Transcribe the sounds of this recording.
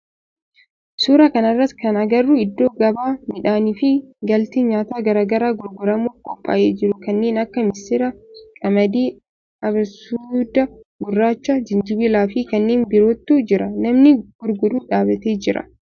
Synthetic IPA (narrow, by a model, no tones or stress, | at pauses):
suːɾɐkɐnɐrːɐt̪kɐnɐɡɐrːʊɪd̪ːo̞ːɡɐbaːmɪᶑaːniːfɪɡɐlt̪eːɲaːt̪aːɡɐɾaːɡɐɾaːɡʊɾɡʊɾɐmuːfkʼɔpʼːa̰ːʔeːd͡ʒɪɾʊkɐnːe̞ːnɐkːɐmɪsɪɾɐkʼɐmɐd̪iː | ɐbsuːd̪ɐɡʊrːaːt͡ʃːɐd͡ʒɪnd͡ʒɪbɪlaːfɪkɐnːeːnbɪɾoːt̪ːuːd͡ʒɪɾɐnɐmnɪɡ̥ʊɾɡʊd̪uːᶑaːbɐt̪eːd͡ʒɪɾɐ̰